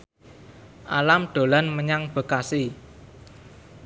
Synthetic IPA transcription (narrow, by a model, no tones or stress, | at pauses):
ʔa̰lamɖ̪̥o̤lanməɲaŋb̥ə̤kasi